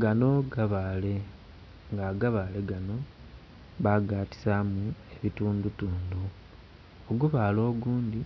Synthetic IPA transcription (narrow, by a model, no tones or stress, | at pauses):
ɡano̞ɡaβaːle̞ | ŋɡaɡaβale̞ɡano̞ | βaɡaːti̥samue̞βituːndutuːndu | oɡuβaːlo̞ːɡuːndi